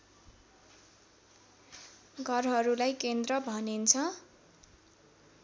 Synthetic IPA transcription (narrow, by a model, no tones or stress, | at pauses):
ɡʱʌrɦʌɾulajkend̪rʌbʱʌnint͡sʰʌ